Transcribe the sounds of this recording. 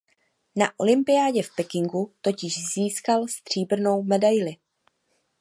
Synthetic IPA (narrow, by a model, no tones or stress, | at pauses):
naʔolɪmpɪjaːɟɛfpɛkɪŋɡut̪o̞cɪʒziːskalst̪r̝̥iːbr̩no̞wmɛdajlɪ